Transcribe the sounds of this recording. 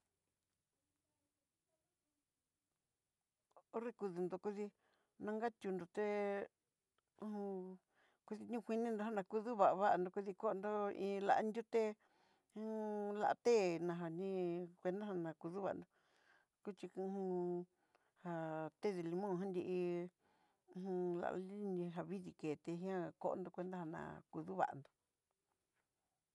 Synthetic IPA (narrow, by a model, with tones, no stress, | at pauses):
o˦re˦˧ku˧ðu˧nd̪o˨ku˦ði˧ | nã˧ŋɡa˦t̪ʲu˧nd̪o˨t̪e˦ | ũ˧ũ˧ | ku˦˧ði˧ɲũ˦˧kʷi˧nĩ˦nd̪o˧ɦa˦nã˧ku˧ðu˦βa˨ʔβa˦˧nd̪o˧ku˧ði˧ko˦˧nd̪o˦ḭ̃ː˧la̰˧ʔa̰˧nd̪ʲu˦t̪ẽ˦ | la̰˧ʔt̪e˦˨nã˧ɦa˧nĩ˦kʷe˧nd̪a˦ha˧nã˨˧ku˧ðu˦βa̰˨˧nd̪o˧ | ku˦t͡ʃi˧khũ˧ | ha˧t̪e˦˨ðe˧˨li˧mõ˦˨ɦã˦nd̪ʲi˧i˧ | ũ˧la̰˧ʔli˦nĩ˧ɦa˧βi˦ði˧ke˨t̪e˧ɦĩ˦ã˦ko̰˦ʔnd̪o˧kʷe˧nd̪a˦ha˧nã̰˧˨ku˧ðu˦βa̰˨a̰˧nd̪o̥˨